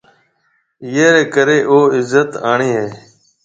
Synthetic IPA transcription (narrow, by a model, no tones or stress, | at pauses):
jeːɾeːkəɾeːʔoːɪzət̪aːɳeːɦeː